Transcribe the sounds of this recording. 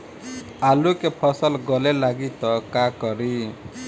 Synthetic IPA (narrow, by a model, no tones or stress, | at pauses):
alukepʰɔsɔlɡɔlelaɡit̪ɔkakɔɾi